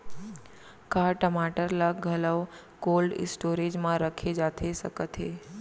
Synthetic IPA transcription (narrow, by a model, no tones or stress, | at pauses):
kaʈəmaʈəɾlaɡʱələʋ | kolɖ̰sʈoɾed͡ʒmãɾəkʰed͡ʒat̪ʰesəkət̪ʰe